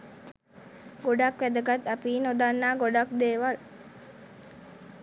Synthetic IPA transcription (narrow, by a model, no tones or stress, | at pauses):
ɡoɖakʋæd̪əɡat̪ɐpiːnod̪anːaːɡoɖak̚d̪eːʋal